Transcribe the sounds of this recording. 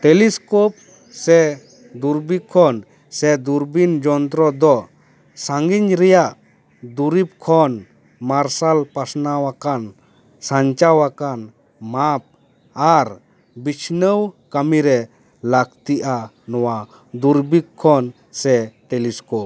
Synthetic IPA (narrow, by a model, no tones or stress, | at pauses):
ʈɛliskɔp̚ | sɛ | d̪uɾbikʰːɔn | sɛd̪uɾbind͡ʒɔnt̪ɾɔd̪ɔ | saŋɡiɲɾɛjaʔ | d̪uɾip̚kʰɔn | maɾsalpasnawakan | saɲt͡ʃawakan | map̚ | aɾ | bit͡ʃʰnəwkamiɾɛ | lakt̪iʔa | nɔwa | d̪uɾbikʰːɔn | sɛʈɛliskɔp̚